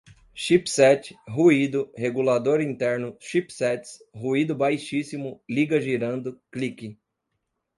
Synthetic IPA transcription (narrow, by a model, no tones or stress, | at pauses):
ʃipsɛt͡ʃɪ̥ɦuid̪ʊheɡulad̪oɾĩnt̪ɛɾnʊʃipsɛt͡ʃsɦuid̪ʊbajʃisimʊliɡɐʒiɾɐ̃nd̪ʊklikɪ